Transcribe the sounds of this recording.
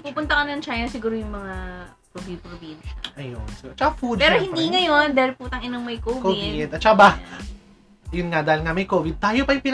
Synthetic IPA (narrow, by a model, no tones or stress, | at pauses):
kupʊnt̪ɐkɐnnɐŋt͡ʃajnɐsɪɡuːɾojʊŋmɐŋa | pɾobid̪̚pɾobinʃɐʔɐjo̰nsɪɡuːt͡ʃɐkafud̪pɛːɾɾohɪnd̪iŋɐjond̪aːhɪlpuːt̪ɐŋʔɪnoŋmɐjkoːvkoɪd̪ʔɐt̪̚t͡ʃɐkaba | ɐjʊnŋad̪aːhɪlŋɐmɐjkoːvɪd̪̚t̪aːjopɐjʊŋpɪn